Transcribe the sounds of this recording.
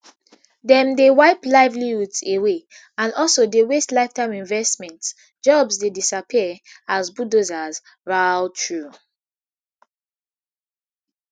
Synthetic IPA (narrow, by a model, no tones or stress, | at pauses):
dɛ̃mdewaɪplaɪvliutsewe | ãnɔlsodewestlaɪftãɪ̃mĩnvɛstmɛ̃nt | d͡ʒɔbsdedisapʰiəazbudozaz | ɹaltʰɹu